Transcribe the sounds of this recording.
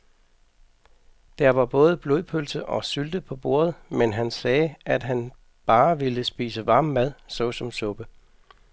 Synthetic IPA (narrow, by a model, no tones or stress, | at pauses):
d̥æɐʋɑ̈b̥ɔ̽ːð̞ˠəb̥lo̝ðˠpʰølsəʔɒ̽syld̥əpʰɒ̽b̥o̝̰ːɐð̞̩ˠmenɦænsɛːæd̥ɦæn | b̥ɑ̈ːʋeləsb̥ḭːsəʋɑ̈ːmːæð̞̰ˠsɒ̽sɒ̽msɔ̽b̥ə